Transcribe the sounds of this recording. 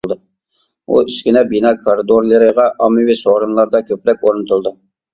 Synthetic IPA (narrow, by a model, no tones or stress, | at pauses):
lˠd̪ɨ | ṵiskʲinɛbinɑkʰoɾɨd̪oɾlˠɨɾɨʁɑʔɑmɨwisoɾɨmlˠɑɾd̪ɑkʲʰøpɾɛkʲoɾnɨt̪ʰulˠd̪u